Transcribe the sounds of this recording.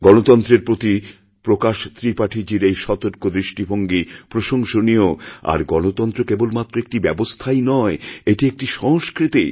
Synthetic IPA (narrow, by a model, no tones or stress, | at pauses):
ɡɔnot̪ɔnt̪ɾeɾpɾot̪i | pɾokaʃt̪ʰɾipaʈʰid͡ʑiɾejʃɔt̪oɾkod̪ɾiʃʈibʱoŋɡipɾoʃoŋʃonioa̰ɾɡɔnot̪ɔnt̪ɾokebolmat̪ːɾoek̚ʈibɛbost̪ʰajnɔeeʈiek̚ʈiʃɔskɾit̪i